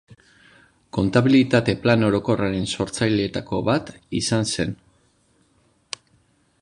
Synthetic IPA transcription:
ko̞nt̪aβilit̪at̪e̞plano̞ɾo̞ko̞raɾe̞nso̞ɾt͡sajle̞ːt̪ako̞̰βat̪ḭsanse̞n

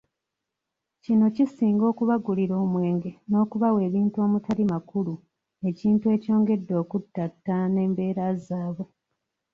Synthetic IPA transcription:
cino̞cisiːŋɡo̞ːkuβaɡuliɾo̞ːmwe̞ːŋɡe̞no̞ːkuβawe̞ːβiːntuo̞ːmutalimakulu | e̞ciːntue̞co̞ːŋɡe̞dːo̞ːkutːatːane̞ːmbe̞ːɾazaːβwe̞

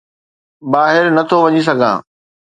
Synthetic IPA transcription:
baːɦɪɾnɐt̪ʰoʋɐɲis̬ɐɡʱã̰ː

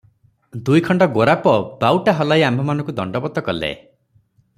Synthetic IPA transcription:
d̪ujkʰɔɳɖɔɡoɾapɔbawʈaɦɔlajambʱɔmanɔ̃ŋkud̪ɔɳɖɔbɔt̪ːɔkɔlḛ

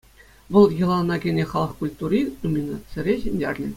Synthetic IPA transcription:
ʋɤ̆lˠjɤ̆lˠɑnɑɡʲenʲeχɑlˠɤ̆χkulʲt̪urʲiumʲinɑsʲɘ̆ɾʲeɕenʲdʲerʲnʲɘ̆

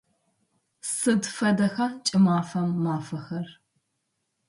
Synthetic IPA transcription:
sɨdfɐdɐxaːt͡ʃʼɪmaːfɐmːaːfɐxɐr

